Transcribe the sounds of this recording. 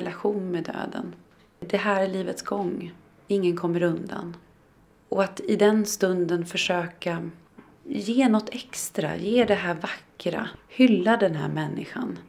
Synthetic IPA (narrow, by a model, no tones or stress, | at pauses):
ɛlaɧuːnmɛd̪ø̰ːd̪ə̰n | d̪ɛɦæːɾæɭiːvət̪sɡɔŋː | ɪŋːənkʰɔmːəɾɵnd̪a̰n | ɔat̪ɪd̪ɛnst̪ɵnd̪ənfœʂøːka | jeːnɔt̪ːɛkst̪ɾa̰jeːd̪ɛɦæːɾvakːɾa̰hʏlːad̪ɛnɦæ̰ːɾmɛnːɪ̰ɧa̰n